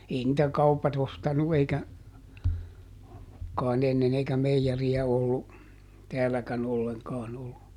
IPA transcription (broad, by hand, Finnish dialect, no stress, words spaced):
ei nĭtæ kɑupɑt ostɑnu eikæ kɑˑin enːen eikæ meijeriæ olːu tɛælːækæn olːeŋkɑːn olːu